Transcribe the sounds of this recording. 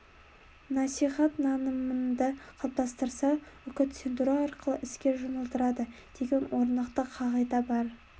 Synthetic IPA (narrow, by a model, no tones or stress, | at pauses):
nɑsijχɑt̪nɑnəmənd̪əqʰɑlˠp̚t̪ɑst̪əɾsɑ | ʏkʲɪt̪send̪uɾɑɑɾqəlˠəʔɪskʲe̞ʒunəlˠt̪əɾɑd̪əd̪̥e̞ɡʲe̞nwo̞ɾnɑqt̪əqʰɑʁɑjd̪ɑbɑɾ